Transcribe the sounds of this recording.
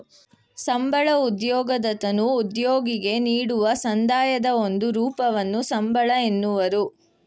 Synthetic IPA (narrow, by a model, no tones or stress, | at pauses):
sɐmbɐɭɐud̪jɔːɡɐd̪ɐt̪ɐnuːd̪joːɡiɡe̞niːɽuʋɐsɐnd̪aːjɐd̪ɐo̞nd̪uɾuːpɐʋɐnːusɐmbɐɭɐenːuʋɐɾu